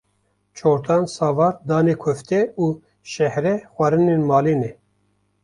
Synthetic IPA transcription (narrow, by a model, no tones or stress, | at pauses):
t͡ʃʰoːɾt̪ʰaːnsɑːvɑːɾd̪ɑːneːkʷʰʊft̪ɛuː | ʃɛhɾɛxʷaɾɨneːnmaːleːnɛ